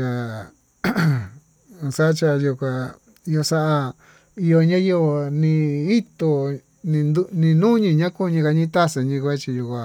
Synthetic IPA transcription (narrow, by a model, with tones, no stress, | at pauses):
ja˧ | sa˦t͡ʃa˧ju˧kʷã˧ | i˧o˧sa˦ʔa˧ | i˧jo˧ɲã˦je˧o˧nĩ˧i˦t̪o˧ | nĩ˧n˧nĩ˧nũ˦ɲĩ˧˨ɲã˦ku˦˧ɲĩ˧ka˧ɲĩ˦t̪a˦se˧ɲĩ˧kʷe˦t͡ʃi˧ju˧kʷã˧